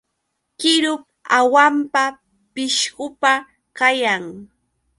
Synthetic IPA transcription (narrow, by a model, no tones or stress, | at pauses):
kɪɾʊp̚ | awampa | pɪʃɢʊpa | kajaŋ